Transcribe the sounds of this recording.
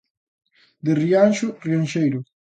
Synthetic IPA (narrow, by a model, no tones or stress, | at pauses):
d̪erianʃʊrianʃejɾʊ